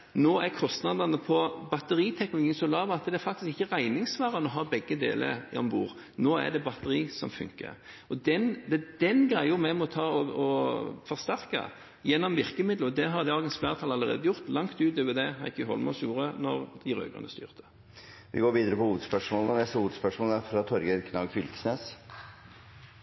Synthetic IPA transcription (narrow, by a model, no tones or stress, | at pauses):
noːækʰɔst̪nɑd̪ɑnəpʰɔbɑt̪əʁiːt̪ʰɛknʊlʊɡiːənsɔlɑːʋɑt̪ːəd̪ɛæɾfɑkt̪ɪskɪçːəʁæɪnɪŋsʋæːɾənɔɦɑːbɛɡːəd̪ḛːlʔə̰ɾɔmbuːʁ | noːæ̰d̪ɛbɑt̪əʁiːsɔ̰mfʉ̰ŋkə̰ | ɔd̪ɛnd̪ɛd̪̥ɛnɡʁæɪʊmɛmɔt̪ʰɑːɔɔfɔʁst̪æɾkɑ̰ | jɛnːɔmʋɪʁkəmɪd̪l̩ɔd̪ɛɦɑɾd̪ɑːɡəɛnsflæːʁt̪ʰɑlɑlːəʁḛːd̪əjʊʁt̪lɑŋt̪ʉːt̪øʋɛd̪ɛhɑɪkʰːɦɔ̰lmɔsjuːɾənɔʁd̪̥ɪɾø̰ːɡʁʉ̰nəst̪y̰ːʁt̪ʰə̥ | ʋɪ̰ɡoːɾʋiːd̪əɾəpɔhuːʋəd̪spœʂmoːlɔnɛst̪əhuːʋəd̪spœʂmɔːlæfɾɑt̪ʰɔɾɡəɾkʰnɑɡfʏlksneːs